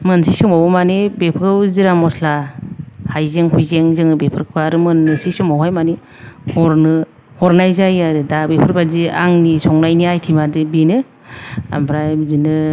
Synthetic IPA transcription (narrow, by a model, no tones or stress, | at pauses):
mɯnsisɔŋawɔmanebepʰɯwziɾamɔsla | hajzeŋɦujzeŋzɯŋɯbepʰɯɾkʰɯaɾɯmɯnːɯsisɔŋbawɦajmani | hɔɾnɯ | hɔɾnajzajaɾɯdabepʰɯɾbazia̰ŋnisɔŋnajniajtʰimadɯbinɯ | a̰mbɾajzinɯ